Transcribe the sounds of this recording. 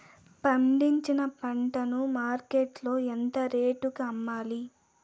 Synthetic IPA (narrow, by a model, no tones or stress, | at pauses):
pɐɳɖiɲt͡ʃinɐpɐɳʈɐnumaːɾkeʈlo̞ːent̪ɐɾeːʈukɐmːaːli